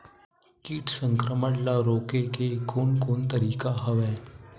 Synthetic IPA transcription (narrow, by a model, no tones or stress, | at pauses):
kiːʈsə̃ŋkɾəməɽlaɾoːkekekoːnkoːnt̪əɾiːkaɦɐʋɛː